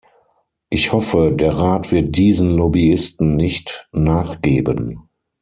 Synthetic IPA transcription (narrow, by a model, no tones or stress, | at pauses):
ʔɪçhɔfədeːɐʁaːtv̥ɪɐt̚d̥iːzənlɔbiɪstn̩nɪçtnaːχɡ̥eːbən